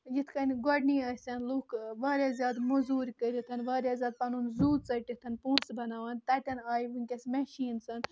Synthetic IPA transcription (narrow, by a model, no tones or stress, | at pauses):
jit̪ʰkɐnʲɡɔɖniːɐsʲɐnluːkʰʋaːɾʲjaːzʲjaːd̪mɐzuːɾʲkəɾit̪ʰɐnʋaːɾjaːzjaːd̪̚pɐnunzuːd̪̚t͡sɐʈʲit̪ʰɐnpũːsbɐnaːʋɐnʲt̪ɐt̪ʲɐnaːjiʋɨŋʲkʲɐsmeʃiːnsɐn